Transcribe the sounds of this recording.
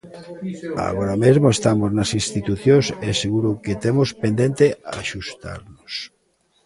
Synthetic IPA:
a̰ɣoɾamezmoest̪amoznasinst̪it̪uθjõseseɣuɾoket̪emospend̪ent̪eaːʃust̪a̰ɾnos

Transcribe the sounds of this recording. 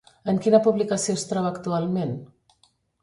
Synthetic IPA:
əŋkinəpuβlikasiost̪ɾɔβakt̪ualˠmen

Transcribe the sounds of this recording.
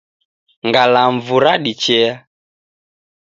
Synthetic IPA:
ŋɡalaɱvuɾaɗit͡ʃɛa

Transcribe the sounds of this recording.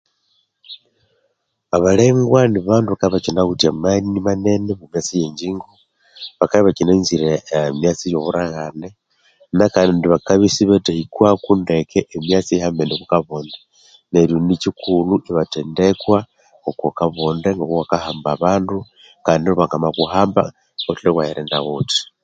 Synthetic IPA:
aβale̞ːŋɡwaniβaːnduβakaiβat͡ʃinaɣutiamanimanenemumjat͡sijeɲd͡ʒiːŋɡo | βakaβiβat͡ʃinaɲziɾemjat͡sijoβuɾaɣane | nakanndiβakaβisiβetehikwakundekeʔemjat͡sihambeneβukaβoːnde | neɾjonicikʰuluʔiβatendekwa | okokaβondeŋɡokoβakahaːmbaβaːndu | kaːndioβakamakuɦaːmba̰ | ɡotilekwajeɾenda̰ɣoti̥

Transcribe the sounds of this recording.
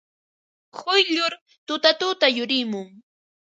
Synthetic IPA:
hʊjʎʊɾ | t̪ʊt̪at̪ʊt̪ajʊɾɪmʊŋ

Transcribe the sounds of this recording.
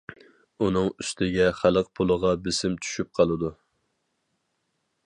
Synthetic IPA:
unɨŋyst̪ʰɪɡʲɛχælˠəq̚pʰʊlˠəʁɑbɪsɪmt͡ʃ̪ʰy̥ʃyp̚qʰɑlˠɨd̪u

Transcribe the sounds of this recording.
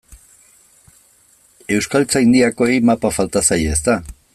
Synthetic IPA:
e̞wskalt͡saind̪iako̞ejmapafalt̪asajeːst̪a

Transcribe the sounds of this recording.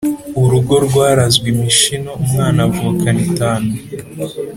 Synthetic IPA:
uɾuɡo̞ɾɡwaːɾazɡwimiʃino̞umŋaːnavuːkanitaːne

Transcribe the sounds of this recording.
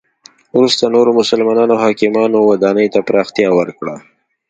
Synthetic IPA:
ɾust̪anoɾomʊsəlmɑnɑnoɦɑkɪmɑnowad̪ɑnəjt̪apɾɑxt̪ijɑwəɾkɽa

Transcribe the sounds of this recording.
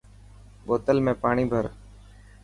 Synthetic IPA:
ɓoːt̪əlmẽːpaːɳiːbʱəɾ

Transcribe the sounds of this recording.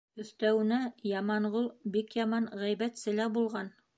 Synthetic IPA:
ɵ̆θt̪æwɘ̆næjɑmɑɴʁulˠbikjɑmɑnʁæjbæt̪sɘ̆læbulˠʁɑn

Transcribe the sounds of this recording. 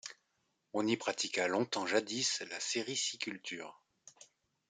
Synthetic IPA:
ɔ̃nipχat̪ikalɔ̃t̪ɑ̃ʒad̪islaseʁisikʲylt̪yːʁ

